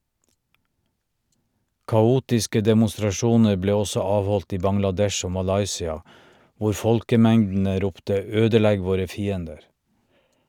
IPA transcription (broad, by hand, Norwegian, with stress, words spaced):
kɑˈuːtɪskə dɛmʊstɾɑˈʃuːnəɾ ˈbleː ˈɔsɔ ˈɑːʋˌhɔlt ˈiː bɑŋlɑˈdɛʃ ˈoː mɑˈlɑɪsɪɑ ˈʋʊɾ ˈfɔlkəˌmɛŋdn̩ə ˈɾʊptə ˈøːdəˌlɛɡ ˈʋoːɾə ˈfiːəndəɾ